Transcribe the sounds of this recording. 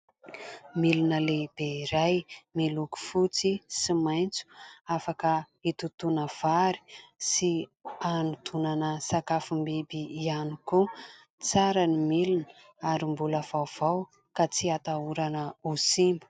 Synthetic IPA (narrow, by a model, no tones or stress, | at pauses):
milunəleb̥eɾajmiluku̥fut͡sisimajnt͡su̥afakə | it̪ut̪unəv̥aɾi̥sianut̪ʰunanəsakafumbibiianiku | t͡saɾanimilunə | aɾimbuləv̥awv̥aw | kat͡siat̪auɾanəusimbu̥